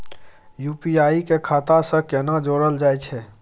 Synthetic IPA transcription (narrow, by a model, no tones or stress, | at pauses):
juːpiaːikekʰaːt̪asəkənad͡ʒoːɽəld͡ʒaːet͡ʃʰɛː